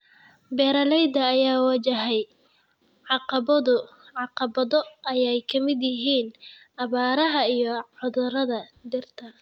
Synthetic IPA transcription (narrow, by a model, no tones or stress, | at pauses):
bɛːɾɐlɛjd̪ɐːjaːwɐt͡ʃɐɦɛj | ʕɑqɑβɐðʊ | ʕɑqɑbɐðɔɐjɛjkʰɐmɪd̪jɪɦiːnʔɐβaːɾɐɦɐijɔʕʊðʊɾɐðɐd̪ɪrt̪ʰɐ